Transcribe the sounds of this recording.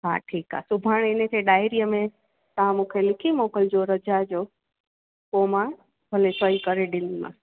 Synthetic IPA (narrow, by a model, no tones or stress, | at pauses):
ɦa̰ːʈʰiːka̰sʊbʱaːɽ̃ɪnəkʰeɗaːɪɾijəmẽ | t̪ɐʋ̤ãmũːkʰelɪkʰimoːkəld͡ʑoɾɐd͡ʑad͡ʑoː | koːmã | bʱɐlesəikɐɾeɗɪ̃nd̪imã̰ː